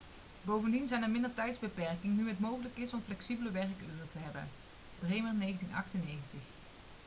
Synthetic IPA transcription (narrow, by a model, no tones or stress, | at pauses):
bowvəndinzɛjnəɹmɪndəɹtɛjtzbəpɛɹkɪŋnyɦətmowɣələkɪsɔmflɛksibələʋɛɹkøːətəɦɛbə̰n | b̥rejməɹnejɣəntinɑ̰χtənːejɣəntəχ